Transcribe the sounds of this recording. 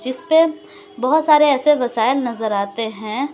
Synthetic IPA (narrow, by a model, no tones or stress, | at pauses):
d͡ʒɪspe | bɐɦʊt̪saːɾeɛːseʋɐsaːɪlnɐzəɾaːt̪eɦɛ̃ː